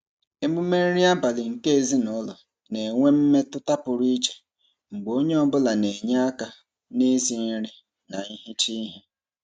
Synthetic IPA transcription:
e˦mu˦me˦ɾɾi˦a˦ba˨lɪ˨ŋ̩˨ke˦e˨zi˦nɔ˦lɔ˨ | ne˨ŋʷe˦m̩˦me˦tʊ˦ta˦pʊ˨ɾi˦t͡ʃe̥˨ | ŋ͡m̩˨ɡ͡bo˦ɲe˦ɔ˦bʊ˦la˨ne˨ɲa˦a˦ka˨ | ni˦zi˨n̩˦ɾi˦ | na˨i˦ɦi˦t͡ʃi˦ɦe˦

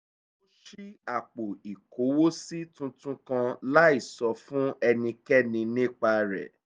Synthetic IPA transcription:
o˦ʃi˦a˨k͡po˨i˨ko˨˦wo˦si˦tũ˦tũ˦kã˧la˦i˦˨sɔ˧fũ˦ɛ˧nĩ˧kɛ˦nĩ˧nĩ˦˨k͡pa˧ɾɛ̰˨

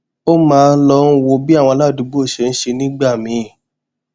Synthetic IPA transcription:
o˦mãː˦˧n̩˦lɔ˧˦n̩˦wo˧bi˦a˦˨wɔ̃˧˦la˦˨du˨˧˦bu˦o˦˨ʃe˧n̩˦ʃe˧nĩ˦ɡ͡ba˦˨mĩ˨˧˦

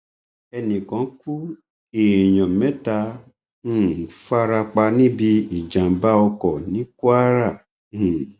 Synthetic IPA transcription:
ɛ˧nĩ˨kã˨˦ku˦ | eː˨j̃ɔ̃˨mɛ̃˨˦ta˧ | ũ˦˨fa˦ɾa˧k͡pa˧nĩ˦bi˧i˨d͡ʒã˨ba˦ɔ˧kɔ˨nĩ˨˦ku˦a˦ɾa˦˨˦

